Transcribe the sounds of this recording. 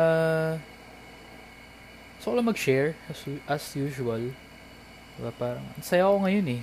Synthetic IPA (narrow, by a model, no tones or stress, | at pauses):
a | soɐlɐmɐɡ̚ʃɛɹɐsʔɐsjuːʃuɐl | d̪̥ɪbapaːɾɐ̰ŋnɐsɐjakoŋɐjonɛ